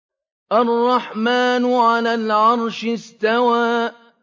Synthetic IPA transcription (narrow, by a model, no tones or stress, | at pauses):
ʔarˤːɑħmaːnʊʕalaːlʕɑɾˤʃɪst̪awaː